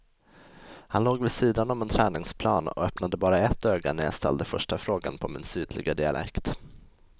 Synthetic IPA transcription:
hanloːɡvɪsiːd̪anɔmɛnt̪ʰɾɛːnɪŋspʰlɑːnɔ̰œpnad̪əbɑːɾaɛt̪ːøːɡa̰næɾja̰st̪ʰɛ̰ld̪əfœʂʈafɾoːɡa̰npʰɔmɪnsyːd̪lɪ̰ɡad̪ɪa̰lʔɛ̰kt̪

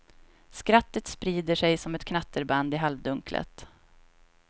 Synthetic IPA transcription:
skɾat̪ːət̪spɾiːd̪əʂɛjsɔmɛt̪kʰnat̪ːəɾband̪ɪɦalvd̪ɵŋklə̰t̪

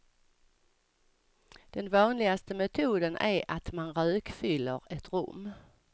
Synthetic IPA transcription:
d̪̥ɛnvɑːnlɪɡast̪əmɛt̪ʰuːd̪ənʔæɾat̪manɾøːkfʏlːə̰ɾɛt̪ɾɵ̰mː

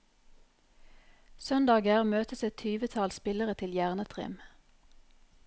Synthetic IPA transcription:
sœnd̪ɑːɡəʁmøːt̪əsɛt̪ʰyːʋət̪ʰɑlspɪləʁət̪ʰɪljæʁnət̪ʰʁɪ̰m

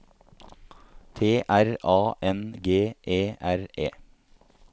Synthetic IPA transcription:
t̪ʰeːʔæɾʔɑːʔɛnɡeːʔeːʔæɾʔḛː

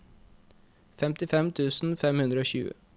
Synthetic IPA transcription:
fɛmt̪ɪfɛmt̪ʰʉːsn̩fɛmhʉnd̪ɾəoːɕçʉ̰ːə̰

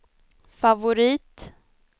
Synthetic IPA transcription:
favʊɾiːt̪

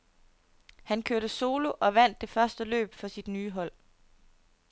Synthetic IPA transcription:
hænkʰøɐɾ̥əso̝ːlo̝ʔɒ̽ʋæn̰d̥ːe̝fɶɐsd̥əlø̰ːb̥fɒ̽sid̥nyːɦɒ̽l̰

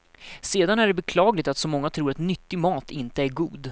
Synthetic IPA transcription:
seːd̪anæɖɛbɛkʰlɑːɡlɪɡ̚t̪at̪sɔmɔŋːat̪ʰɾuːɾat̪nʏt̪ːɪmɑːt̪ɪnt̪əæɾɡuːd̪

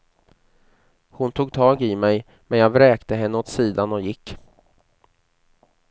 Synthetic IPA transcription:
hʊnt̪ʰuːɡ̚t̪ʰɑːɡɪmɛj | mɛnjaːɡvɾɛːkt̪əɦɛnːəot̪siːd̪anɔjɪkː

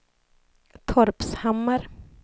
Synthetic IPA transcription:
t̪ʰɔɾpshamːəɾ

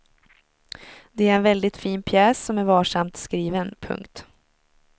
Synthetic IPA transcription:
d̪ɛæɾɛnvɛld̪ɪt̪fiːnpʰjɛːsːɔmæɾvɑːʂamt̪skɾiːvənpʰɵ̰ŋkt̪

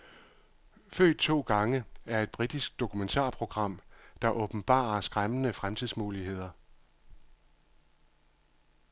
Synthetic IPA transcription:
fø̰ːd̥̚t͡sʰo̝̰ːɡ̥ɑ̈ŋəæɐe̝d̥̚b̥ʁid̥isɡ̥̚d̥o̝kʰument͡sʰɑ̰̈ːpʰʁo̝ɡ̥ʁɑ̈m̰d̥ɑ̈ʔɔ̽b̥n̩b̥ɑ̰̈ːɐsɡ̥ʁamənəfʁamt͡sʰið̰ˠsmuːlihe̝ð̞̰ˠɐ

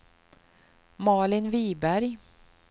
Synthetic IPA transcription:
mɑːɭɪnviːbæɾj

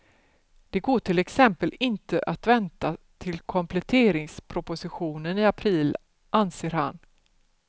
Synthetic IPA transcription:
d̪̥ɛɡoːʈʰɪlɛksɛmpəlɪnt̪əʔat̪vɛnt̪a | t̪ʰɪlkʰɔmpʰlɛt̪ʰeːɾɪŋspʰɾʊpʊsɪɧuːnəniːapʰɾiːl | ʔanseːɾha̰n

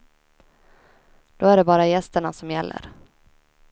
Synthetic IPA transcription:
d̪̥oːæɖɛbɑːɾajɛst̪əɳasɔmjɛlːə̰ɾ

